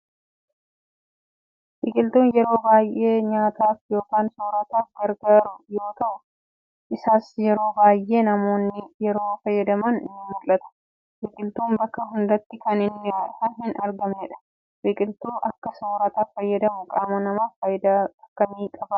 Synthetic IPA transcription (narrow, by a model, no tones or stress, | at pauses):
wɪkʼɪlt̪uːnjɛɾo̞ːbaːjːe̞ːɲaːt̪ʰaːfjo̞ːkaːnsoːɾɐt̪aːfɡɐɾɡaːɾʊjo̞ːt̪ɐʔʊ | ʔɪsaːsjɛɾo̞ːbaːjʔe̞ːnɐmo̞ːnːɪjɛɾo̞ːfɐjːɐd̪ɐmɐnɪ̰nːɪmʊlːɐt̪ɐ̥ | wɪkʼɪlt̪uːnbɐkːɐɦʊnd̪ɐt̪ːɪkɐnɪnːhɐnɦɪnɐɾɡɐmeːᶑɐ̥ | wɪkʼɪlt̪uːʔɐkːɐsoːɾɐt̪afɐjːɐd̪ɐmʊkʼaːmɐnɐmaːfɐkːɐmiːkʼɐbɐ